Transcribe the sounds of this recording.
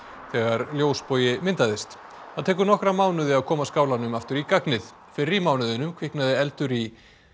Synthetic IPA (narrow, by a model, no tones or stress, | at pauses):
θɛːɣaɾljoːwspoːjɪmɪnt̪aðɪst̪ | θaðt̪ʰɛːkʏɾnɔhkɾamaːwnʏðɪaðkʰɔːmaskaːwlanʏmaft̪ʏɾikaknɪð | fɪɾɾimaːwnʏðʏnʏmkʰvɪhknaðɪɛlt̪ʏɾi